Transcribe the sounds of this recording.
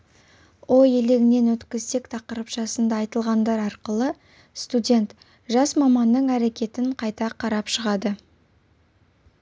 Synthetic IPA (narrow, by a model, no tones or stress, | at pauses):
oje̞le̞ɡʲɪne̞nwɵt̪kʲɪzt̪e̞kt̪ʰɑqəɾəpʃɑsənd̪ɑːjt̪əlˠʁɑnd̪ɑɾɑɾqəlˠə | st̪udʲe̞nt̪ | ʒɑsmɑmɑnd̪əɴæɾekʲe̞t̪ɪɴqʰɑjt̪ɑqʰɑɾɑpʃəʁɑd̪ə